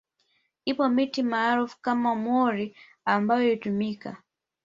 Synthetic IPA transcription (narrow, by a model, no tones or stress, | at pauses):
ipɔmitimaːɾufkamamwɔɾi | ambajɔjitumika̰